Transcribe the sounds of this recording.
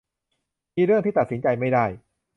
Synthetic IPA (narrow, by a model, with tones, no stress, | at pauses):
miː˧ɾɯ˥˩əŋt̪iː˥˩a˨˩t̪̚si˩˦nt͡ɕa˧jma˥˩jdaː˥˩j